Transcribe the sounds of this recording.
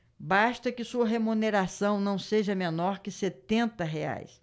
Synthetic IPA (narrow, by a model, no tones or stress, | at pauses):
baʃt̪ɐkɪsuɐɦemuneɾasɐ̃w̃nɐ̃w̃seʒɐmenɔɾkɪset̪ẽnt̪ɐɦea̰js